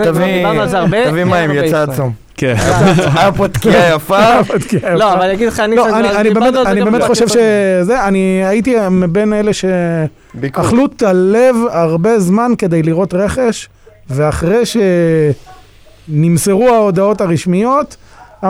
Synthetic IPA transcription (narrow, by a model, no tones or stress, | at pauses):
t̪aviazaʁb̪avimaimmjat͡saːt͡sum | ke | apot̪kiajafapot̪kiajaloaaljaɡid̪lχaniloanianibemet̪anibemet̪χoʃe̞vʃezeaniait̪̬imibe̞nele̞ʃe | aχlut̪ale̞vaʁbe̞zmanke̞d̪ejliʁo̞t̪ʁe̞χe̞ʃ | veaχʁejʃe̞ | nimseʁuaod̪ao̞taʁiʃmijo̞t̪